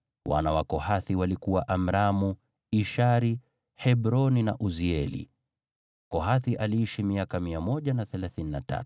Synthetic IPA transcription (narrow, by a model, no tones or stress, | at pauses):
wa̰nawakɔhaθiwalikuwaʔam̩ɾamu | iʃaɾi | hɛbɾɔnina̰ʔuziɛlḭ | kɔɦaθiʔaliiʃimiakamiamɔʄanaθɛlaθininata̰t